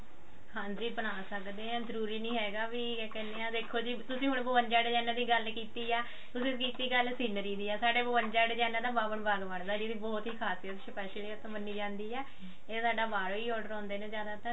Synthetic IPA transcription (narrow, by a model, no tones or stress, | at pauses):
hãːnd͡ʒiːbənaːsəkd̪eːɦãːzəɾuːɾiːnĩːɦɛːɡaːʋiːkɛːneːãːd̪eːkʰːoːd͡ʒiːt̪ʊsĩːɦʊɳbəʋənd͡ʒaːɽeːd͡ʒaːnãːd̪iːɡəlkiːt̪iːɛː | t̪ʊsĩːkiːt̪iːɡəlsiːnəɾiːd̪iːɛːsaːɖeːboʋənd͡ʒaːɽeːd͡ʒaːnaːd̪aːbaːbənbaːɡʋaɽd̪aːd͡ʒid̪iːbɔːt̪ɦiːkʰaːsijət̪ʃəpɛːʃeliət̪õbənːiːd͡ʒãːnd̪iːɛː | eːsaːɖaːbaːɽoiːɔːɖəɾɔ̃ːnd̪eːneːzjaːd̪aːt̪ə